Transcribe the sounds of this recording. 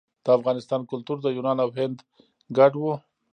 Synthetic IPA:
d̪̥əafɣɑnɪst̪ɑnkʊlt̪uɾd̪əjunɑnawɦɪnd̪ | ɡaʈwu

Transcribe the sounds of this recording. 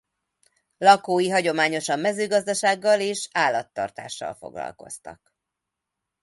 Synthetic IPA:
lɒkoːjiɦɒɟo̞maːɲo̞ʃɒmːɛzøːɡɒzd̪ɒʃaːɡːɒleːʃaːlːɒt̪ːɒ̰rt̪a̰ːʃːɒ̰lfo̞̰ɡlɒ̰lko̞̰st̪ɒ̰k

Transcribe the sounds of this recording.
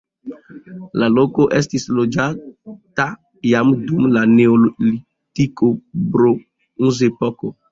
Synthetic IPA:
laloko̞ʔestislo̞d͡ʒata | jamdumlaneolli | tikobɾo | uzepoko

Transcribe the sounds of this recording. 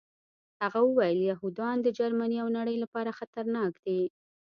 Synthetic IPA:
haɣawəwajəljaɦud̪ɑnd̪əd͡ʒaɾmaniawnaɽəjlapɑɾaxat̪aɾnɑkd̪̥e

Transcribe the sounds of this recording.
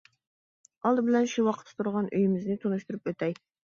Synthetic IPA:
ɑlˠd̪ɨbɪlɛnʃiwɑqʰə̥t̪ʰːt̪ʰuɾʁɑnʔøjɪmɪznɪt̪ʰunuʃt̪uɾupøt̪ɛj

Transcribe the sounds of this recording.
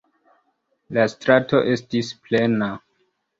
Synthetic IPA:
lastɾato̞̰ʔe̞stisple̞na

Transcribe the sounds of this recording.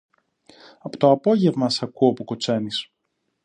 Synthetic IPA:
ɐpot̪oɐpo̞ʝe̞vmɐsɐkuopuko̞t͡se̞nis

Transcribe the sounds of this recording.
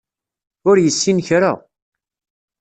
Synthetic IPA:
ʊɾjəsːinçɾa̰

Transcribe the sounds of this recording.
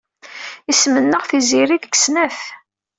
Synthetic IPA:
ismənːəʁθiziɾiɡɡsnæf

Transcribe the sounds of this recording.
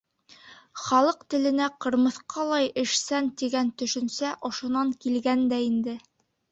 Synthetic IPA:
χɑlˠɤqt̪ɘ̆lɘ̆næqɤ̆ɾmɤ̆θqʰɑlˠɑjɘ̆ʃsænt̪iɡænt̪ɵ̆ʃɵ̆nsæʔŏʃŏnɑŋkilɡænd̪æind̪ɘ

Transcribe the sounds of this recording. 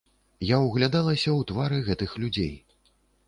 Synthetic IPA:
jawɣlʲad̪alˠɐsʲɐwt̪vaɾɨɣɛt̪ɨxlʲud͡zʲḛj

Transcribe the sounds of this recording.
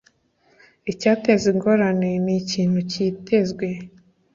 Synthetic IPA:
icaːteziŋɡoɾaneniciːn̥huciːte̞zɡwe̞

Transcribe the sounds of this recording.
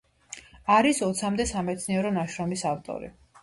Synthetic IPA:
aɾisɔt̪sʰamd̪ɛsamɛt̪sʰniɛɾɔnaʃɾɔmisaft̪ʼɔ̰ɾḭ

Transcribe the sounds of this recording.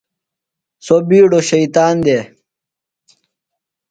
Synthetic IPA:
sobiːɽoɕɐit̪aːnd̪e

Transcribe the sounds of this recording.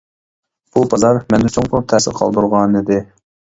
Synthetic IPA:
b̥ubɑzɑɾmɛnd̪ɪt͡ʃʰoŋqʰʊlˠup̚t̪ʰɛsɪɾqʰɑ̰lˠd̪uɾʁɑnid̪ɪ

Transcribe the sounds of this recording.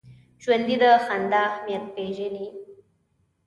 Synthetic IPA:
ʒwand̪id̪əxand̪aːmjenpeʒini

